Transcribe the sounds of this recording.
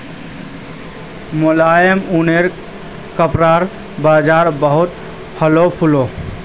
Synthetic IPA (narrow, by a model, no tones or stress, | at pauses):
molaːjəmuneɾ | kəpɾaɾ | baːd͡ʒaːɾbəɦʊt̪ | pʰəlopʰulo